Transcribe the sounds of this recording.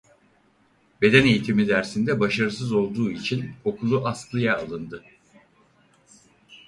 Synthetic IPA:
be̞d̪ɛne̞jit̪ʰimid̪æɾsind̪ɛbaʃaɾɯs̬ɯzo̞lˠd̪uːit͡ʃʰino̞kʰulˠuʔasklˠɯjaːlˠɯnd̪ɯ

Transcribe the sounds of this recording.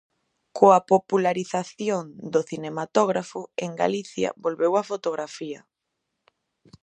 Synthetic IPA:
koapopulaɾiθaθjoŋd̪oθinemat̪oɣɾafʊeŋɡa̰liθjɐ̰bolβewafot̪oɣɾafiɐ

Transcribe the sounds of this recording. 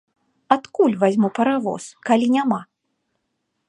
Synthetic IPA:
at̪kulʲvazʲmupɐɾavɔ̰skalʲinʲama

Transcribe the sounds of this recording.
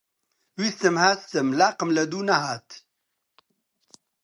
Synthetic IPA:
wist̪əmhast̪əmlaːqəmlɐd̪unɐhaːt̪

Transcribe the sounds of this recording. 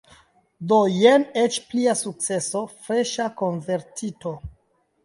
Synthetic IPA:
dojenet͡ʃpliasuk̚t͡se̞so̞fɾe̞ʃako̞nve̞ɾtito̞

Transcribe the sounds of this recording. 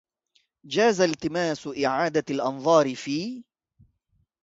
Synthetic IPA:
d͡ʒaːzalt̪ɪmaːsʊʔɪʕaːd̪alʔɑnðˤɑːɾɪfiː

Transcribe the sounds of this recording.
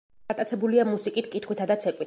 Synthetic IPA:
at̪ʼat̪sʰɛbuliamusikʼit̪kʼit̪χwit̪ʰad̪at̪sʰɛkʼwi

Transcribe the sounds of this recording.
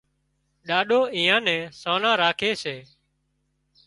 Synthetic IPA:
ɗaːɗoːĩːãːnɛ̃ːsoːnãːɾaːkʰeːseː

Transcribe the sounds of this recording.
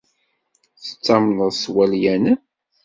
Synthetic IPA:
θə̥t͡sːɑmnəðˤswæljæn

